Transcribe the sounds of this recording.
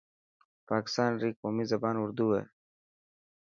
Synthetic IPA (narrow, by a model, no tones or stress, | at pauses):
pɑːkɪ̥st̪ɑːnɾiːkoːmizɐbɑːnʊɾd̪uwḛ